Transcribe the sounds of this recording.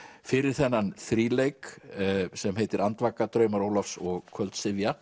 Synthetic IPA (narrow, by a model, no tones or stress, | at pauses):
fɪɾɪɾ̥θɛnːanθɾiːlejk | sɛmɦeːjt̪ɪɾant̪vakːat̪ɾœːɥmaɾoːwlafsɔɣkʰœlt̪sɪvja